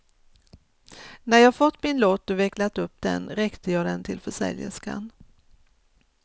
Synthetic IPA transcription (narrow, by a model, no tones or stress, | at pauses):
næɾjɑːɡfɔt̪ːmɪnloːt̪ːɔvɛklat̪ɵp̚ːd̪ɛ̰nɾɛkt̪əjɑːd̪ɛnt̪ʰɪlfœʂɛ̰ljə̰ʂka̰n